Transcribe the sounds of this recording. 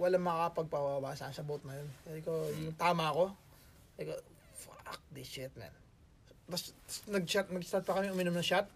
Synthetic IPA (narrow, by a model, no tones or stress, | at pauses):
wɐlaŋmɐakɐpɐɡ̚pabawaːsɐʔɐnsɐbot̪̚nɐjonkːɪkojʊŋt̪aːmɐɐko̞ | ɐko | fa̰k̚d̪it͡ʃɛt̪̚nɛ̰n | bɐssnɐɡ̚t͡ʃat̪̚mɐɡ̚st̪aɾt̪̚pɐkɐmɛʔʊmɪnomnɐŋʃat̪̚